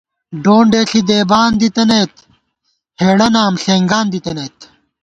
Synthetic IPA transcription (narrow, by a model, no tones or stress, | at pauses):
ɖoːɳɖeːɬid̪eːbaːnd̪it̪ɐnejt̪ | heːɽɐnaːmɬeːŋɡaːnd̪it̪ɐneːt̪